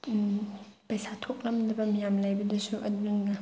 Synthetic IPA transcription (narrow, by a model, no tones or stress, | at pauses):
pɐjsʰatʰok̚lɐmdɐbɐmijamlajbɐdɐsuʔɐdɯŋɡɐ